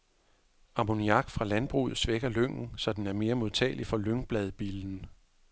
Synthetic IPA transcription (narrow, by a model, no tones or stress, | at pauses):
ɑ̈moniɑ̈ɡ̥fʁɑ̈lænb̥ʁṵːð̩ˠsʋeɡ̥ɐløŋ̰n̩sɒ̽d̥enæɐme̝ːɐmo̝ð̞ˠt͡sʰɛ̰ːlifɒ̽løŋb̥lɛð̞̩ˠb̥iln̩